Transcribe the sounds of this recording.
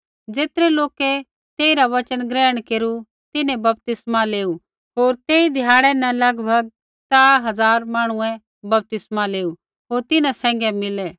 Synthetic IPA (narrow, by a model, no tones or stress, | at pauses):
d͡zeːt̪əɾɛloːkɛ | t̪eːiɾaʋɐt͡ʃənɡɾɛːəɽ̃keːɾu | t̪ɪnɛ̃bɐp̚t̪ɪsmaleːu | ɦoːɾt̪eːid̪ʱjaːɽ̃ɛnɛ̃lɐɡbʱɐɡ̚ | t͡saːɦɐzaːɾmaːɽ̃ʊɛ̃ | bɐp̚t̪ɪsmaleːu | ɦoːɾt̪ɪnãsɛ̃ːŋ̆ɡɛmɪlɛ